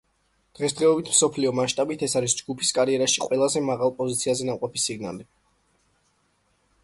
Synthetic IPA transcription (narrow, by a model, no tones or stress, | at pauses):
d̪̥ʁɛsd̪ʁɛɔbit̪ʰmsɔpʰliɔmaʃt̪ʼabit̪ʰɛsaɾisd͡ʒɡupʰi̥skʼaɾiɛɾaʃiqʼwɛlˠazɛmaʁalˠpʼɔzit̪sʰiazɛnamqʼɔpisiɡna̰li